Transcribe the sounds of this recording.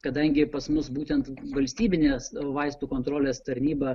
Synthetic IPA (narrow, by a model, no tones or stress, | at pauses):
kɐd̪ɐŋʲɡʲɪpɐsmʊsbuːt̪ʲɛnt̪ʋɐlʲsʲt̪ʲiːbʲɪnʲeːsʋɐɪst̪uːkoːnt̪ɾoːlʲeːst̪ɐɾʲnʲiːbɐ